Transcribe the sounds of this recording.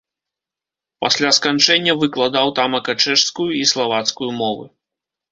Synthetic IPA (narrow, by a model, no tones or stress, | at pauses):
pasʲlʲaskant͡ʂɛnʲːɐvɨklˠad̪awt̪amɐkɐt͡ʂɛʂskujuislˠavat̪skujumɔvɨ̰